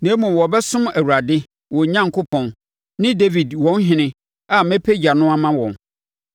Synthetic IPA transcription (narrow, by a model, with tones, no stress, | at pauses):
nɛ̃˨˦mũ˨wɔ˨bɛ˦sʊ̃˦mæ˨wu˨ɾa˨dɪ˦ | wɔ̃˨ɲã˦ŋkʰʊ˦pʰɔ̃˨n | nɪ̃˦de˦vi˨dwɔ̃˦n˦ɦɪ̃˦nɪ̃˦ | a˨mɛ̃˦pʰe˦d͡ʑa˨nʊ̃˦a˦mã˦wɔ̰̃˨n